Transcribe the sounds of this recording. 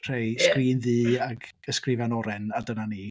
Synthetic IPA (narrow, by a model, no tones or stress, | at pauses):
r̥ejskriːnðɨːaɡ | əskrɪvanɔɾɛnadənaniː